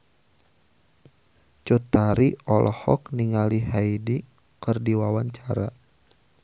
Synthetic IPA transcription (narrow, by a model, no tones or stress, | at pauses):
t͡ʃut̪aɾiɔlʔɔhɔ̰kniŋaliɦaidi | kɨrdiwawaɲt͡ʃaɾa